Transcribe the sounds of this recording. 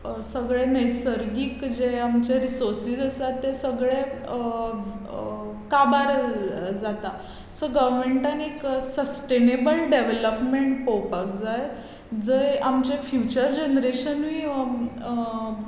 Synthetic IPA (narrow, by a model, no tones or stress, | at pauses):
səɡɭenesəɾɡiːkd͡ʑeamt͡ɕeɾisoɾsisəsat̪ːesəɡɭe | kabaɾd͡zat̪a | səɡəʋmeɳʈanieksəsʈenebəlɖeʋeləpmeɳʈpopakd͡zaje | d͡zəamt͡ɕefjut͡ɕəɾd͡ʑenɾeɕənʋiː